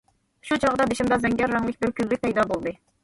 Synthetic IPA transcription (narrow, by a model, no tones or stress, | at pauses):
ʃut͡ʃʰɑʁd̪ɑd̪eʃimd̪ɑzɛŋɡʲɑɾːɑŋlˠɪk̚ʲbɪɾkʲʰyllyk̚ʲpɛjd̪ɑbolˠd̪ɨ